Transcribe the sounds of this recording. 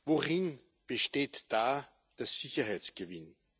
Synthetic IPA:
voʁɪn | b̥əʃteːtd̥aː | d̥eɐz̥ɪçɐɦæɪt͡sɡ̥əvɪn

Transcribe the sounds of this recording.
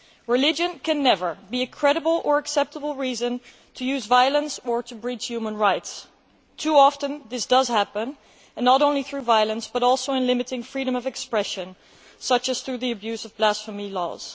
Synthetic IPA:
ɹɨlɪd͡ʒɨ̃nkʰɨ̃nːɛvə˞biɨkʰɹ̥ɛɾəbl̩ˠə˞ɨksɛp̚təbl̩ˠɹizɨ̃n | tʰɨjʉzvaɪəlˠə̃nsə˞ɾɨbɹid͡ʒ̥hjʉmə̃nɹaɪts | tʰuɑfɨ̃nðɪsd̥ʌz̥hæpə̃n | ɨ̃nːəɾõʊ̃nliθɹʉvaɪəlˠə̃nsb̥ʌɾɔlˠsoʊɨ̃nlɪ̃mɨɾɪ̃ŋfɹiɾɨ̃mʌvɨkspɹɛʃɨ̃n | sʌt͡ʃɨz̥θɹʉðiɨbjʉzʌvblæsfəmilɔ̰z̥

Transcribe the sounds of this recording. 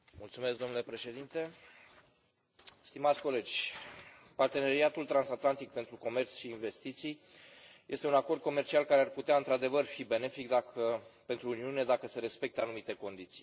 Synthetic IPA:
mult̪sumesk̚d̪o̞nule̞pɾe̞ʃe̞d̪int̪e̞ | st̪imat̪sʲko̞le̞d͡ʒʲ | part̪e̞ne̞ɾiat̪ult̪ɾansat̪lant̪ik̚pent̪ɾuko̞me̞rt̪sʃiːnve̞st̪it̪sijjʔe̞st̪e̞unako̞rd̪̚ko̞me̞rt͡ʃialkaɾearput̪eaɨnt̪ɾad̪e̞vərfibe̞ne̞fikd̪akəpe̞nt̪ɾuuniune̞d̪akəse̞ɾe̞spe̞k̚t̪əanumit̪e̞ko̞nd̪it̪si̥j

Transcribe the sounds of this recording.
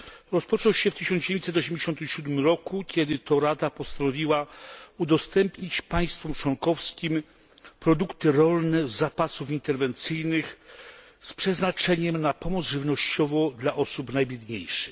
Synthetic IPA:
ɾɔspɔt͡ʂɔwɕɛft̪ɘɕɔnd͡ʑeit̪sɛt̪̬ɔɕɛmd͡ʑeɕɔnt̪ɪmɕud̪mɘmɾɔkukʲɛd̪ɘt̪ɔɾad̪apɔst̪anɔvʲiwaud̪ɔst̪ɛmpɲit͡ɕpaj̃st̪fɔmt͡ʂwɔŋkɔfskʲim | pɾɔd̪ukt̪ɘɾɔlnɛzapasufint̪ɛɾvɛnt̪sɘjnɘx | spʂɛznat͡ʂɛɲɛmnapɔmɔd̪zʐɘvnɔɕt͡ɕɔvɔ̃d̪laʔɔsupnajbʲjɛd̪ɲejʂɘx

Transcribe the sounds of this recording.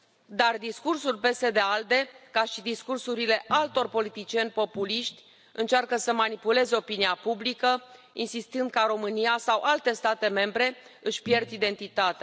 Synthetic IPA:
d̪ard̪iskursulpe̞se̞d̪eald̪e̞kaʃid̪iskursuɾile̞ʔalt̪o̞rpo̞lit̪it͡ʃie̞nʲpo̞puliʃt̪ʲ | ɨnt͡ʃarkəsəmanipule̞zeo̞piniapublikə | insist̪ɨnd̪̚kaɾo̞mɨnijasawʔalt̪e̞st̪at̪e̞me̞mbɾe̞ɨʃʲpje̞rd̪id̪e̞nt̪it̪at̪ea

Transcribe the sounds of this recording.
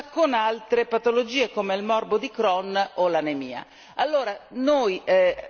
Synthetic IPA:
konalt̪ɾepat̪olod͡ʒiːekoːmeilmɔrbod̪ikɾɔnolanemiːa̰ | alːoːɾanoj

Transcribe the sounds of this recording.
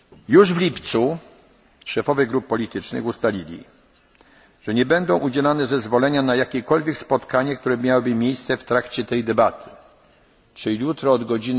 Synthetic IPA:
juʐvlʲipt̪su | ʂɛfɔvʲɛɡɾupːɔlʲit̪ɘt͡ʂnɘ̰xust̪alʲilʲḭ | ʐ̥ɛɲɛbɛnd̪ɔ̃w̃ʔud͡ʑɛlanɛzɛzvɔlɛɲanajakʲɛkɔlvʲjɛkspɔt̪kaɲɛkt̪uɾɛmʲjawɘbɘmʲjejst̪sɛft̪ɾakt͡ɕɛt̪ɛjd̪ɛbat̪ʰɘ̥ | t͡ʂɘjut̪ɾɔːd̪ɡɔd͡ʑin

